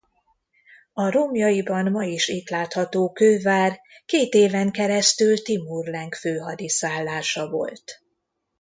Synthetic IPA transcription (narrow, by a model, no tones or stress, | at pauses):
ɒɾomjɒjibɒnmɒjiʃiːt̪laːt̪hɒt̪oːkøːvaːr | keːt̪eːvɛŋkɛɾɛst̪ylt̪imurlɛŋkføːɦɒd̪isaːlːaːʃɒvo̞̰lt̪